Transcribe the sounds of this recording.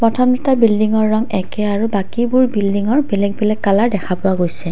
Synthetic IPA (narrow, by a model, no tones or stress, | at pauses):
pɹɔtʰɔmditabildiŋɔɹːɔŋɛkɛaɹubakibʊɹbildiŋɔɹbelɛɡ̚belɛkkːalaɹdɛkʰapʊaɡojsɛ